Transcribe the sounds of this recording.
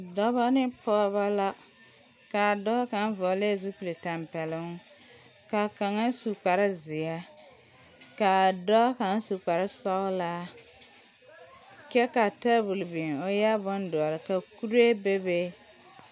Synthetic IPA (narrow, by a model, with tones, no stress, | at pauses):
dɔ˦ba˦nɪ˦pɔ˦βa˦la˦ | ka˨dɔ˦ka˨˦n˦vɔ˨le˦˨zu˦pi˨le˨ta˨mpɛ˨lɪ˨˦ŋ˦ | ka˨ka˨ŋa˦su˨k͡pa˨ɾɪ˦zɪ˨a˦ | ka˨dɔ˦ka˨ŋ˦su˨k͡pa˨ɾɪ˦sɔ˦la˦ | kɛ˦ka˨ta˦bu˨lbi˨ŋo˨ja˦bʊ˦ndɔ˨a˨ɾɪ˨ka˨ku˦ɾe˦be˦be˦